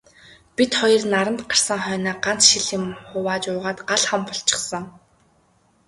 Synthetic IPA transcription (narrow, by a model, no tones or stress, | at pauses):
pit̪χɔjɞ̆rnaɾə̆mt̪ɢar̥sə̆ŋχœːnaːɢan̥t͡sʃiɮĭmχʊwaːt͡ɕʊːʁaːt̪ɢaɮχampɔɬt͡ɕɪ̥̆χsə̆ŋ